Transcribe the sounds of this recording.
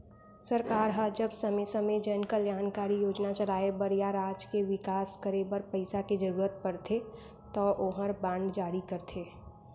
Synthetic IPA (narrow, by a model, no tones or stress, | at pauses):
sɐɾkaːɾɦəd͡ʒəbsɐmesəmed͡ʒənkəljaːnkaːɾijoːd͡ʒnat͡ʃəlaːebəɾjaɾaːd͡ʒkeʋɪkaːskəɾebəɾpəɪsaked͡ʒəɾuːɾət̪̚pɐɾt̪ʰe | t̪ɔʔoɦəɾbãːɳɖd͡ʒaːɾikɐɾt̪ʰeː